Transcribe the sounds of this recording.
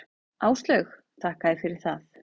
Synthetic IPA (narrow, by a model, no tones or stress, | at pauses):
aːwst̪lœx | t̪ʰahkaɪfɪɾɪɾ̥θaθ